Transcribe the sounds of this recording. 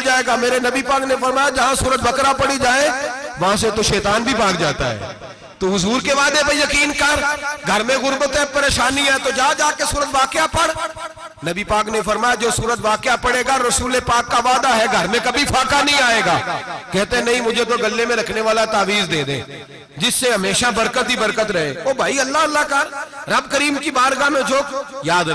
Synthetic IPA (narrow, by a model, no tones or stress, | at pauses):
d͡ʒaːeːɡameːɾenɐbipaːknefɐɾmaːjad͡ʒɐɦãsuːɾət̪̚bɐkɾapɐɽid͡ʒaːẽʋɐɦãset̪oʃɛːt̪aːnbʱibãːkd͡ʒaːt̪a̰ɦɛ̰ː | t̪oɦʊzuːɾkeʋaːd̪epejɐkiːnkɐɾɡʱɐɾmẽɣʊɾbət̪ɦɛpɐɾeːʃaːniɛt̪od͡ʒaːd͡ʒaːkesuːɾət̪ʋaːkejapɐɽ | nɐbipaːknefɐɾmaːjad͡ʒoːsuːɾət̪ʋaːkɪjapɐɽeːɡaɾɐsuːlepaːkːaʋaːd̪aɦɛɡʱɐɾmẽkɐbʱifaːkanɐɦĩaːeːɡaːkɛɦt̪eɦɛ̃nɐɦĩmʊd͡ʒʱet̪̬oɡɐlːemẽɾɐkʰneʋaːlat̪aːʋiːzd̪eːd̪ḛ̃ː | d͡ʒɪsːeɦɐmeːʃabɐɾkət̪ɦibɐɾkət̪ɾɐɦḛːoːbʱaːiɐlːaɐlːakaɾɾɐbkɐɾiːmkibaːɾɡamẽd͡ʒoːkjaːd̪